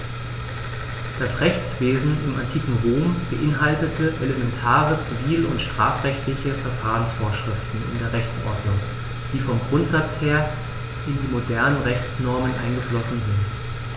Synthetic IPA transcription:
d̥asʁɛçt͡sv̥eːzn̩ɪma̰ntʰiːkŋ̩ʁoːmb̥əʔɪnɦaltətʰəʔelemɛntʰaːʁət͡siviːlʊ̰ntʃtʁ̥aːfʁ̥ɛçtlɪçəfɛɐfaːʁənsfoːɐʃʁ̥ɪftn̩ɪ̰ndeːɐʁɛçt͡sʔɔ̰ɐdnʊŋ | d̥iːfɔmɡʁʊntz̥at͡sheːɐ | ʔɪndiːmodɛɐnənʁɛçt͡snɔɐmənʔa̰ɪnɡəflɔsn̩zɪnt

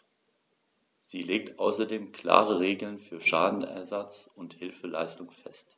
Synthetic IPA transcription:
z̥iːleːk̚tʔaʊsɐdeːmkʰl̥a̰ːʁəʁeːɡl̩nfyːɐʃaːdn̩ɛ̰ɐzat͡sʊnthɪlfəla̰ɪstʊŋfɛ̰st

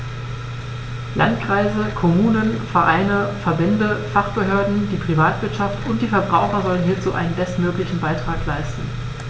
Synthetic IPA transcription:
lʔa̰ntkʁ̥aɪzəkʰɔmuːnənfɛɐʔaɪnəfɛɐbɛndəfaχb̥əɦøːɐdn̩d̥iːpʁ̥ivaːtv̥ɪɐtʃaftʊntd̥iːfɛɐbʁaʊxɐzɔlənɦiːɐt͡suːʔa̰ɪnənbɛstmøːklɪçn̩baɪtʁ̥aːklaɪstn̩

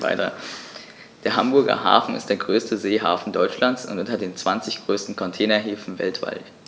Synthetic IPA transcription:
va̰ɪtɐ̰ | d̥eːɐɦambʊɐɡɐ̰ɦa̰ːfn̩ɪ̰std̥eːɐɡʁøːstʰəzeːɦa̰ːfn̩dɔʏt͡ʃlant͡sʔʊ̰ntʔʊntɐdeːnt͡sv̥ant͡sɪçɡ̥ʁøːstn̩kʰɔntʰɛːnɐɦeːfn̩vɛ̰ltv̥a̰lt

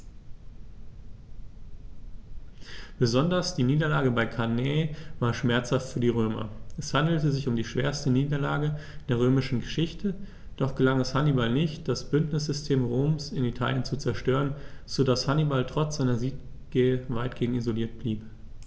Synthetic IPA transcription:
b̥əzɔndɐsd̥iːniːdɐlaːɡəbaɪkʰaneːvaːɐʃmɛɐt͡shaftfyːɐdiːʁ̞øːmɐ̰ʔɛshandl̩təzɪçʊmdiːʃv̥eːɐstəniːdɐla̰ːɡə | d̥eːɐʁ̞øːmɪʃn̩ɡəʃɪçtʰə | d̥ɔχɡ̥əlaŋɛshanibalnɪçt̚d̥asb̥ʏntnɪs̬z̥ʏstʰeːmʁoːmsɪnitʰa̰ːljənt͡sut͡sɛɐʃtøːʁənz̥odashanibaltʁ̥ɔt͡sz̥aɪnɐziːt̚ | ɡ̥eːəvaɪt̚ɡ̥eːŋ̩izoliːɐt̚b̥liːp

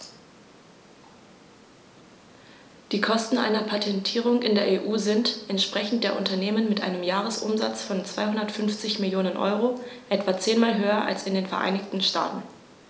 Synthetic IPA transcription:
d̥iːkʰɔstn̩ʔa̰ɪnɐpʰatʰɛntʰiːʁ̞ʊŋɪndeːɐʔeːʔuːzɪntʔɛntʃpʁ̥ɛçn̩t̚d̥eːɐʔʊntɐneːmənmɪtʔa̰ɪnəmjaːʁ̞əsʔʊ̰mza̰t͡sfɔnt͡sv̥aɪɦʊndɐtfʏnft͡sɪçmɪljoːnənʔɔ̰ʏʁoʔɛtv̥at͡seːnmaːlɦøːɐʔa̰lsɪndeːnfɛɐʔa̰ɪnɪçtn̩ʃta̰ːtn̩

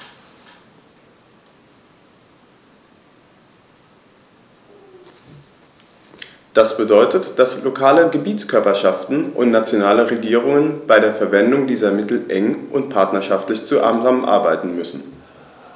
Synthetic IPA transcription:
d̥asb̥ədɔʏtətd̥aslokʰaːləɡəbiːtt͡skʰœɐpɐʃaftn̩ʔʊ̰ntnat͡sjonaːləʁeɡiːʁ̞ʊŋənb̥aɪɾeːɐfɛɐvɛndʊŋdiːzɐmɪtl̩ʔɛŋʔʊntpʰaɐtnɐʃaftlɪçt͡suʔa̰ːmzaːmənʔa̰ɐbaɪtn̩mʏsn̩

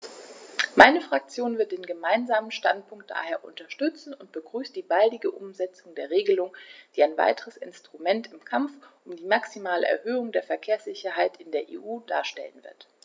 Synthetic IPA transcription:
maɪnəfʁ̥ak̚t͡sjoːnvɪɐt̚d̥eːnɡəmaɪnzaːmənʃta̰nt̚pʰʊŋkt̚d̥a̰ːheːɐʔʊ̰ntɐʃtʏt͡sn̩ʊnt̚b̥əɡʁyːstd̥iːbaldɪɡəʔʊ̰mzɛt͡sʊŋdeːɐʁeːɡəlʊŋd̥iːaɪnva̰ɪtʰəʁəsɪ̰nstʁ̥umɛntɪmkʰamfʔʊmdiːmaksimaːlə̰ʔɛ̰ɐɦøːʊŋdeːɐfɛɐkʰeːɐsz̥ɪçɐɦaɪtɪndeːɐʔḛːʔuːdaːɐʃtɛ̰lənvɪ̰ɐt

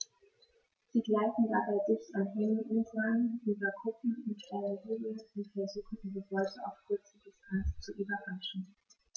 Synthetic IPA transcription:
z̥iːɡlaɪtn̩dabaɪzɪpsanɦɛŋəʔuzaniːbɐɡʰʁʊpm̩ʊntaləviləʊntfɛɐzuːχn̩diːzəvɔʏtəa̰ʊfkʰʊɐt͡sədɪstʰanst͡suʔybɐʁaʃn̩

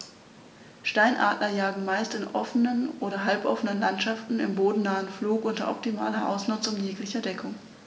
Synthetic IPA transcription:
ʃtaɪnʔa̰ːtnɐjaːɡŋ̩maɪstɪnʔɔfənənʔoːɾɐɦalpʔɔfənənlantʃaftn̩ɪmboːdn̩naːənfluːkʔʊntɐ̰ʔɔ̰p̚tima̰ːlɐʔa̰ʊsnʊt͡sʊŋjeːklɪçɐdɛkʰʊŋ

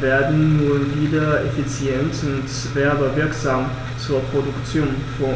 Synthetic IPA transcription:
ʋɛɐdn̩nunliːdɐefit͡sjentʊntsʋæɐbɐʋɪɐksäm | t͡suɐpʰʁ̥odukt͡sjo̝̰ːnfɔ

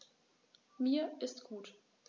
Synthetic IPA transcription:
miːɐʔɪstɡ̥uːt

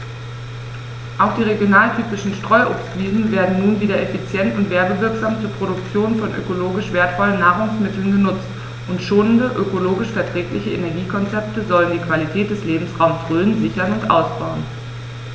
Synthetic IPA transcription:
ʔaʊxd̥iːʁ̞eɡjonaːltʰyːpɪʃn̩ʃtʁ̥ɔʏʔʊpstv̥iːzn̩veːɐdn̩nuːnviːdɐʔefit͡sjɛntʊntv̥eːɐbəvɪɐkz̥aːmt͡suːɐpʁ̥oɾʊkt͡sjoːnfɔnʔø̰koloːɡɪʃv̥eːɐtfɔlənːaːʁʊŋsmɪtl̩nɡənʊt͡st | ʔʊntʃoːnəndəʔøkoloːɡɪʃfɛɐtʁ̥ɛːklɪçəʔenɛɐɡiːkʰɔnt͡sɛp̚təzɔləndiːkv̥alitʰɛːt̚d̥ɛsleːbm̩sʁaʊmsʁøːənzɪçɐnʊntʔa̰ʊsb̥aʊən

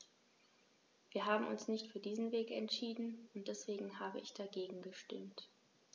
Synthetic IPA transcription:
viːɐɦaːbm̩ʊ̰nsnɪçtfyːɐdiːzn̩veːkɛ̰ntʃiːdn̩ʊnt̚d̥ɛsv̥eːɡŋ̩ɦaːbə̰ʔɪ̰çd̥aɡeːɡŋ̩ɡəʃtɪ̰mt

